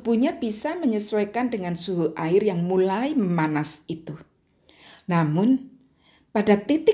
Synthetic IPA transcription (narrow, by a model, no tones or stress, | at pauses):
buɲab̥isaməɲəswakandəŋansuɦuʔaɪrjaŋmulaiməmanasit̪u | namʊn | padat̪it̪ɪ